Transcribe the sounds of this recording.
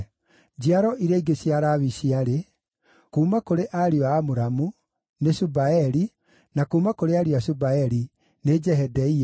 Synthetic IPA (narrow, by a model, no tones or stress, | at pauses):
d͡ʑiaɾɔʔiɾeiɡeɕiaɾaβiɕiaɾe | kuːmakoɾeʔaɾiɔaːmoɾamu | nesubaɛɾi | nakuːmakoɾeaɾiasubaɛɾi | ned͡ʒɛɦɛdɛi